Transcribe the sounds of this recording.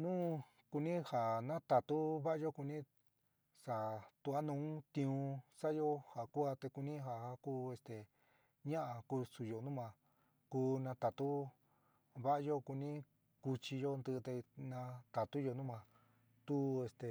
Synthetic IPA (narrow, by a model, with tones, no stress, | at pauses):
nũː˦ | ku˧nĩ˦ha˨nã˦t̪a˨t̪u˦βa˦ʔa˧˦jo˦ku˧nĩ˦ | sa˨t̪u˧a˦nũː˧˦t̪ĩ˧ũ˧sa˦jo˦ha˨ku˦a˧t̪e˧ku˧nĩ˦ɦa˨ha˧kuː˦e˧st̪e˨ | ɲã˦ʔa˧ku˧su˨jo˧˨nũ˦mã˧ | kuː˧nã˧t̪a˨t̪u˦ | βa˦ʔa˧jo˦ku˧nĩ˦ | ku˧t͡ʃi˧jo˦˧nd̪ɨ˧t̪e˧nã˧t̪a˨t̪u˦jo˧nũ˦mã˧ | t̪u˦e˧st̪e˨